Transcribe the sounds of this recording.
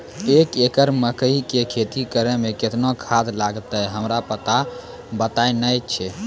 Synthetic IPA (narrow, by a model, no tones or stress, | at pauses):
ekekəɾməkəikekʰet̪ikəɾemeket̪nokʰad̪laɡt̪əjɦəmɾapət̪a | bət̪ajnəjt͡ʃʰɛ